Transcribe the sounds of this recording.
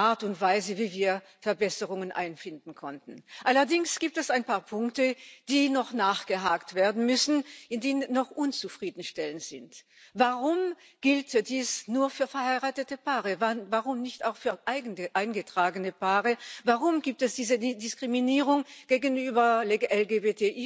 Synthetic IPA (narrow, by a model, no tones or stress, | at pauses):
ʔaːɐtʊntv̥aɪzəviːviːɐ | fɛɐbɛsəʁʊŋənʔa̰ɪnfɪndn̩kʰɔntn̩ʔalɐdɪŋsɡ̥iːp̚tɛsaɪnpʰaːɐpʰʊŋktəd̥iːnɔχnaːχɡ̥əɦaːktv̥eːɐdn̩mʏsn̩ʔɪndeːnənnnɔχʔʊnt͡sufʁ̥iːdn̩ʃtɛlənz̥ɪnt | vaʁʊm | ɡ̥ɪltd̥iːsnuːɐfyːɐfɛɐhaɪʁaːtətəpaːʁəvvaʁʊmnɪçtaʊxfyːɐʔaɪɡn̩əʔaɪnɡətʁ̥aːɡənəpaːʁəvaʁʊmɡiːp̚tɛsd̥iːzədɪskʁ̥iminiːʁʊŋɡ̥eːɡənyːbɐleɡʔɛlɡebeːtʰeʔː